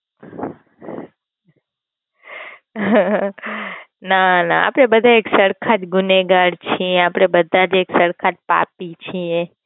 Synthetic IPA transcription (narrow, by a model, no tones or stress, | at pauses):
nana̰a̰pɽ̃ebəd̪ʱaeksəɽkʰat̪ɡʊneɡaɽt͡ʃʰieapɽ̃ebəd̪ʱad͡ʒeksəɽkʰat̪̚pa̰pit͡ʃʰie